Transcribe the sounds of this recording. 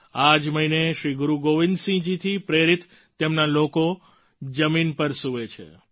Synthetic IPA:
ad͡ʒməineʃɾiɡuɾuɡoʋind̪sĩd͡ʒit̪ʰipɾeɾit̪ | t̪ːemnaloko | d͡ʒəminpəɾsuʋet͡ʃʰḛ

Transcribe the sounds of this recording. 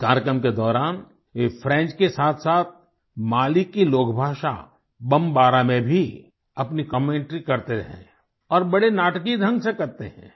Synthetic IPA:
kaːɾjəkɾəmked̪ɔːɾaːn | fʰɾɛ̃ːt͡ʃkesaːt̪ʰsaːt̪̚ʰ | maːlɪkːiloːkʰbʱaːʃa̰ | bɐ̃mbaːɾamẽbʱi | ɐpnikəmẽːɳʈɾikɐɾt̪eɾɐɦḛ̃ː | ɔːɾbɐɽenaːʈkid̪ʱə̃ŋɡsekɐɾt̪eɦɛ̰̃ː

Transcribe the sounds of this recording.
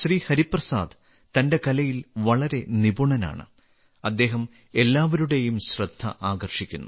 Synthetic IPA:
ɕriːhɐɾiprɐsa̰ːd̪ | t̪ɐnde̞kɐlɐjilʋɐɭɐɾe̞nibuɳɐna̰ːɳɨ̰ | ɐd̪ːe̞ːɦɐm | e̞lːaːʋɐɾuɽe̞jumɕrɐd̪ʱːɐ̰ʔaːɡɐrʂikʲːunːu

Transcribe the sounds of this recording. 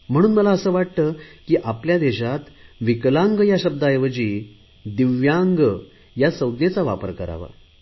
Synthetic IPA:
m̤əɽ̃uːnməlaəsəːʋaʈ̚t̪əːkiːʔapljad̪eɕat̪ʋiklãŋɡjaɕəb̚d̪ajʋəd͡ʑiː | d̪iʋjaŋɡə | jasəwd̪net͡saʋa̰pə̰ɾkəɾa̰ʋa̰

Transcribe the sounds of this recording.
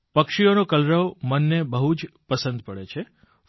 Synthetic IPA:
pəkʃijonokəlɾəʋmənːebəɦud͡ʒpəsə̃nd̪pəɭet͡ʃʰe

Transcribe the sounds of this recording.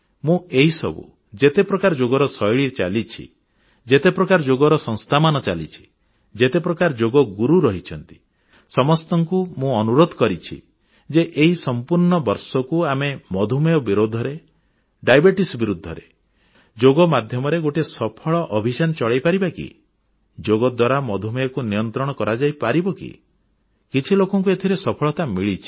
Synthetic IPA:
mũeɦisɔ̰bṵ | d͡ʒet̪epɾɔkaɾd͡ʒoɡɔɾɔsɔjɭit͡ʃa̰lit͡ʃʰḭ | d͡ʒet̪epɾɔkaɾd͡ʒoɡɔɾɔsɔ̃ŋ̃st̪ʰamanɔt͡ʃa̰lḭt͡ʃʰi̥ | d͡ʒet̪epɾɔkaɾd͡ʒoɡɔɡuɾuɾɔɦit͡ʃʰɔnt̪i̥ | sɔmɔst̪ɔŋkumũɔnuɾod̪ʱɔkɔɾit͡ʃʰḭ | d͡ʒeʔeɦisɔmpuɾɳɔbɔɾsɔkuamemɔd̪ʱumɔjɔbiɾod̪ʱɔɾe | ɖajbeʈisbiɾud̪ʱːɔɾe | d͡ʒoɡɔmad̪ʱjɔmɔɾeɡoʈesɔpʰɔɭɔʔɔbʱisanɔt͡ʃɔɭajpaɾibakḭ | d͡ʒoɡɔd̪waɾamɔd̪ʱumɔjɔkunijɔnt̪ɾɔɽ̃ɔkɔɾad͡ʒajpaɾibɔkḭ | kit͡ʃʰilokɔŋk̬uet̪ʰiɾesɔpʰɔɭɔt̪amiɭit͡ʃʰi̥

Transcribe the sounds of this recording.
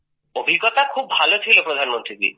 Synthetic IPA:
obʱiɡɔt̪akʰub̚ːʱalotʰilopɾɔd̪ʱanɔmɔnt̪ɾikḭ

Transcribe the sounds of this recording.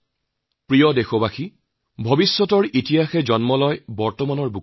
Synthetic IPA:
pɹijɔdexɔbaxi | bʱɔbisːɔtɔɹitijaxɛd͡ʑɔnmɔlɔjbɔɹtɔmanɔɹbu

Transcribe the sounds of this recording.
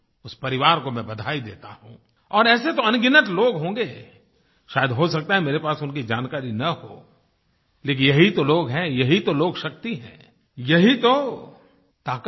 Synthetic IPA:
ʊspɐɾɪʋaːɾkomɛ̃bɐd̪ʱaːid̪eːt̪aɦṵ̃ | ɔːɾɛːset̪oɐnɡɪnət̪loːɡɦõːɡeː | ʃaːjəd̪ɦosɐk̚t̪aɦɛ̃meːɾepaːsʊnkid͡ʒaːnkaːɾinɐho̰ː | leːk̬ɪnjɐɦit̪oloːɡɦɛ̃jɐɦit̪oloːɡʃɐk̚t̪iɦɛ̰̃ː | jɐɦit̪o | t̪aːk

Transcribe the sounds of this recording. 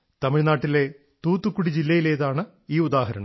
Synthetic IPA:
t̪ɐmiɻnaːʈːile̞ | t̪uːt̪ːukːuɽid͡ʑilːɐjile̞ːðaːɳɨ | iːud̪aːɦɐɾɐ̰ɳɐm

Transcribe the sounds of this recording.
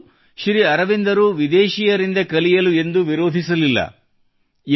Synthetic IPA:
ʃɾiɐɾɐʋind̪ɐɾuʋid̪eːʃijɐɾind̪ɐkɐlijɐlue̞nd̪uʋiɾo̞ːd̪ʱisɐlilːɐ̰

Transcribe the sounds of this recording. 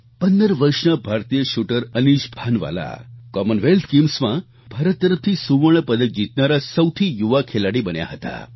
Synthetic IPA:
pənd̪əɾʋəɾʂnabʱaɾt̪ijəʃuʈəɾəniʃbʱanʋa̰la̰kɔmənʋelt̪ʰkimsmã | bʱaɾət̪̚ːəɾəft̪ʰisuʋəɳ̃əpəd̪ək̚d͡ʑit̪naɾasəwt̪ʰijuʋakʰelaɽibənja̰ɦət̪a̰

